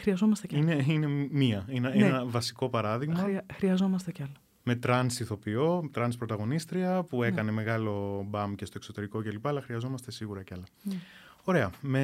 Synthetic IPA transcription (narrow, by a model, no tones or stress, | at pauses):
xɾiɐzomɐst̪eineine̞miɐinenenɐvɐsi̥ko̞pɐɾɐðiɣmɐxɾiɐzo̞mɐst̪ecɐlɐ | me̞t̪ɾɐnsiθo̞pio̞t̪ɾɐnspɾo̞t̪ɐɣo̞nist̪ɾiɐpue̞kɐne̞me̞ɣɐlo̞bɐmce̞st̪o̞ekso̞t̪e̞ɾiko̞celipɐɐlɐxɾiɐzo̞mɐst̪e̞siɣuɾɐceɐlɐ | o̞ɾe̞ɐme